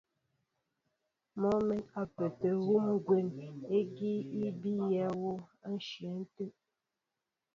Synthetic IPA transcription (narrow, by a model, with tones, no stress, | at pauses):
mɔ˦mɛ˦a˨pe˨pe˨ɣu˦m˦ɡwe˨ne˦ɡi˦i˦bi˦jɛ˦wo˦a˦n̩˦ʃi˨ɛ˨˦n̩˦te˦ʔ̚